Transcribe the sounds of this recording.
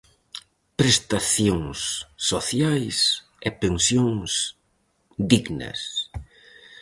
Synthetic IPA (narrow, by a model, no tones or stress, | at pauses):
pɾest̪aθjoŋsːoθjajs | epẽnsjoŋs | d̪iɡnɐ̰s